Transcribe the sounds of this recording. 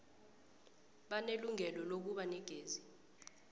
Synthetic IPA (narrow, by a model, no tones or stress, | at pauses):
ɓaneluŋɛlɔlok̬uɓanɛɡ̥ʱeːzi